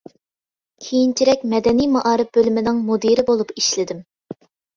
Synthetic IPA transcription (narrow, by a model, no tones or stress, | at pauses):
kʲʰejint͡ʃʰiɾɛk̚ʲmɛd̪ɛnijmɑʔɑːɾɨp̚bølɪmɪnɪŋmod̪iɾɪbolˠupiʃlɪd̪ɪm